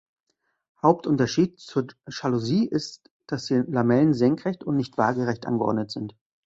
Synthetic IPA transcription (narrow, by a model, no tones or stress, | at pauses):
haʊp̚tʔʊntɐʃiːt̚t͡suːɐʃaluziːʔɪst | d̥asd̥ilamɛlənzɛŋkʁ̥ɛçtʊntnɪçtv̥a̰ːɡəʁɛçtʔa̰nɡəʔɔ̰ɐdnətz̥ɪnt